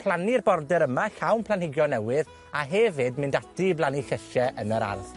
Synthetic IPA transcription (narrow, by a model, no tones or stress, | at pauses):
pʰl̥ˠanirbɔrdɛɾəmaɬawnpʰlˠanhɪɡjɔnɛwɪð | aɦɛvɪdmɪndatiblˠaniɬəʃɛʔənəɾa̰rð